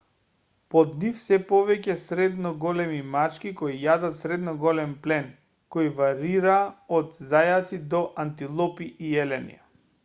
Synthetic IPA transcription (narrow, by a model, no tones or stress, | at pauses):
pɔd̪nifsɛpɔvɛcɛsɾɛd̪nɔɡɔlɛmimat͡ʃkikoijad̪at̪sɾɛd̪nɔɡɔlɛmplɛn | kɔjvaɾiɾaːɔd̪zajat̪sid̪ɔʔant̪ilˠɔpiːjɛlɛnḭja